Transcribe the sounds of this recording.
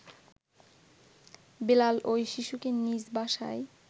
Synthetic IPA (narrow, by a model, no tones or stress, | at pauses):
belalojʃiʃukenid͡ʑbaʃa̰e